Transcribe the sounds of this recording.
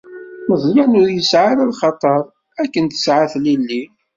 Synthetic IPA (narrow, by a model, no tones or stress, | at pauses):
məzˤɾænʊɾjəsʕaɾælχɑt̪ˤəɾˤ | ækːənt̪ə̥sʕaθlilːi